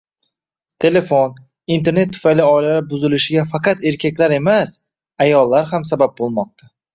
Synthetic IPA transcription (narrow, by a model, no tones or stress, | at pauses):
t̪ʰe̞le̞fon | int̪ʰeɾne̞t̪ʰːʊ̥fajlɪɒjlaɾɪbʊzɪlɪʃɪɡʲafɑqɑt̪e̞ɾkʲʰakʲlaɾe̞mas | ajɒlˠːaɾhamsabap̚bolˠmɒq̚t̪ʰa